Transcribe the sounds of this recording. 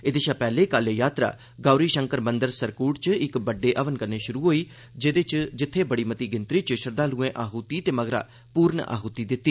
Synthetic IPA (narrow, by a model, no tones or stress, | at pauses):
eːd̪eːʃaːpɛːleːkalejaːt̪ɾa̰ː | ɡaːɾiːʃəŋkəɾmənd̪əɾsəɾkuːʈt͡ʃɪkbəɖːeːʔəʋənkəɾneːʃʊɾuːɦoːiː | d͡ʒed̪eːt͡ʃd͡ʒɪt̪ʰːeːbəɽiːmət̪iːɡɪnt̪ɾiːt͡ʃʃəɾd̪aːluːẽːʔaːɦuːt̪iːt̪eːməɡɾa̰ː | puːɾɳ̰ʔa̰ːɦuːt̪iːd̪ɪt̪ːiː